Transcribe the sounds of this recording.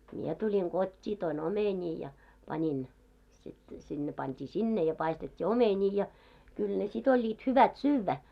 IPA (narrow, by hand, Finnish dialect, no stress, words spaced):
mie tulʲiŋ ɡ̊otʲːiː toin omenʲiː jɑ pɑnin sit sid̥ ne pɑntʲiː sinːe jɑ pɑistetʲːi omenʲiː jɑ kyl ne sit olʲːiːt hyʋæt syːʋːæ